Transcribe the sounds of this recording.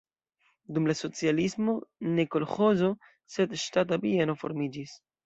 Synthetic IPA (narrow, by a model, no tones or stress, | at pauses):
dumlaso̞t͡sialismo̞nekolχozo̞ | se̞dʃtat̬abieno̞fo̞̰ɾmid͡ʒis